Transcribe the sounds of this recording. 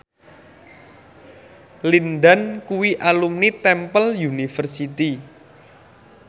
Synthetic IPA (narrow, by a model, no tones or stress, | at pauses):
linɖankuwiʔalumnit̪ɛmpəljunifərsit̪i